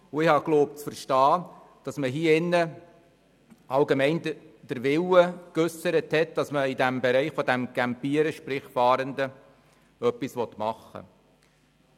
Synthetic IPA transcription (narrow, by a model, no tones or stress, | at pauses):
ʊɪhɑkloːp̚t͡sfəɾʃtɑː | d̥ɑsməɦiːɪnːə | ɑlɡemɛɪndd̥əɾʋɪwəkœsəɾəthɛt̚d̥ɑsməidæmbɛɾɛɪχfɔdæmɡ̥æmpiəɾəʃpɾɪχfɑːɾəndə | œpːisʋɔt̪mɑχːə̰